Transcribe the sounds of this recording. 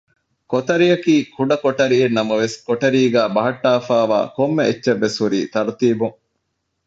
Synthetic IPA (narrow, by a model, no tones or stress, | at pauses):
kot̪ɐɾijɐkiːkuɖɐkoʈɐɾienːɐmɐʋeskoʈɐɾiːɡæːbɐɦɐʈːaːfaːʋa̰ːkomːeetːʃɐʋːeshuɾḭːt̪ɐɾt̪iːbuŋ